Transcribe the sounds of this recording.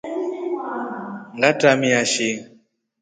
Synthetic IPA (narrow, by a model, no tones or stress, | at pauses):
ŋɡatamiaʃi